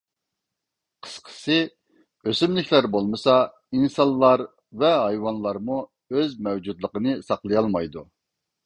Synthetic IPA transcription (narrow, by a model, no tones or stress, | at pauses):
qʰə̥sqʰə̥sɨ | øsymlɪkʲʰlæɾbolˠmɨsɑ | insɑnlˠːɑɾ | vɛɦɑjwɑnlˠɑɾmu | øzmɛwd͡ʒud̪lˠəqənɨsɑqlˠɨjɑlˠmɑjd̪u